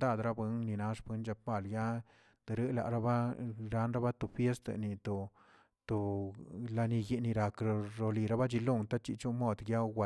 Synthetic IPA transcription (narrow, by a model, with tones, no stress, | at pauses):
d̪a˦˨d̪ɾa˦bɨ˧˦ŋni˨na˦ʂpe˧˦nt͡ʃa˧pa˧˨lja˦ | d̪̥ɨ˨ɾɨ˦la̰˨ʔɾa˦ba˦ɾa˦nɾa˦ba˦t̪o˨fje˦st̪a̰˧ni˨t̪o˨ | t̪o˨la˧ni˧ji˧ni˧ɾa˨kɾɾo˧li˨ɾa˦ba˦t͡ʃi˧lu˦˨ŋt̪a˦t͡ʃḭ˨˧t͡ʃu˦mo˦˨d̪ɡja˦wa˨